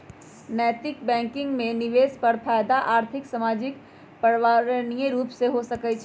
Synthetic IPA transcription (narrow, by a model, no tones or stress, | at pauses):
nɛːt̪ɪkbɛ̃ːŋkɪ̃ŋɡmẽniʋeːzpəɾpʰaːjd̪aʔaːɾt̪ʰɪksamaːd͡ʒɪk | pəɾʋaɾənijeɾuːpseɦosəkɛt͡ʃʰ